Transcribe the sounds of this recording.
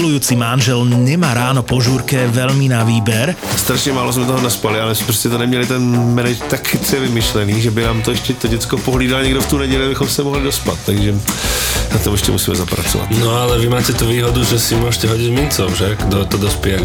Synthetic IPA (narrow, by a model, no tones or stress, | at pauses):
lujuːt͡simanʒɛlɲɛmaːɾaːnɔpɔʒuːɾkɛʋɛʎminaʋiːbɛɾ | st̪ɾaʃɲɛmaːlozmɛt̪ɔɦɔnaspalɪalɛspɾoscɛt̪onɛmɲɛlɪt̪ɛnmɛnɛd͡ʒt̪akfɪt͡sɛʋɪmɪʃlɛniːʒɛbɪnaːmt̪oɛʃcɛt̪oɟɛt͡skopoɦliːdalɲɛɡdoft̪uːnɛɟɛʎabɪxɔmsɛmɔɦlɪdospa̰t̪t̪ːaɡʒɛ | nat̪omɛʃcɛ̰mṵsiːmɛ̰zapɾa̰t͡sɔ̰a̰t̪nɔalɛʋimaːcɛt̪uʋiːɦɔd̪uʒɛsimʊɔʒɛcɛɦɔɟizmint͡sɔwʒɛkd̪ot̪ɔd̪ɔspɪɛ